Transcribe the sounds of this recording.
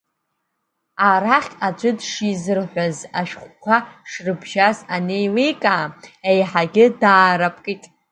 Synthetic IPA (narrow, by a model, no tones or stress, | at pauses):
aɾaχʲʼad͡ʒʷʼʊdʂizɨrħʷazaʃᶣχʷkʷʰaʂrɨbʒazanejlejkʼaːejħaɡʲɪdaːɾapʼkʼitʼ